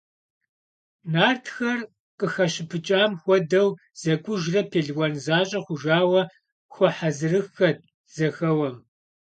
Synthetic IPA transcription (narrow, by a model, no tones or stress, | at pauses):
naːrtʰxɐr | qəxɐɕɪpʰɨt͡ʃʼaːmxʷɔdɐw | z̥ɐkʷʼʊʒrɐpʰeːɮwɐnzaːɕʼɐχʷʊʒaːwɐ | xʷɔħazɨrɨxːɐt̚ | z̥ɐxɐwɐm